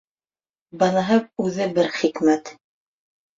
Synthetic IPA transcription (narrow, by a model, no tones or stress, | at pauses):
bɑnɑɦɤp̚ʉðɘbɘɾχikmæt̪